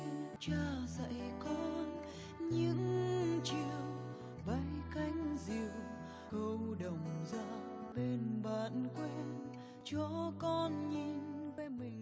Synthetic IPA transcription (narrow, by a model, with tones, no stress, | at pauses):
t͡ɕaː˧˩zə̰˧˨jkɔ˧n | ɲɨ̰˧˥ŋt͡ɕi˧˨əw | ɓə˧˦jka˨˧˦jŋ̟zi˨əw | hə˧wɗə˨˩wŋ͡mzaː˧˥ | ɓe˧nɓaː˧˨nkwɛ˧˦n | t͡ɕɔ˧kɔ˧nɲi˧˥nve˧˦mï˨˩ŋ̟